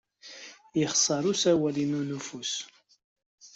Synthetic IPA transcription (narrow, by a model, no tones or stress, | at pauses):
jəχsˤːɑɾˤusæwælinunufus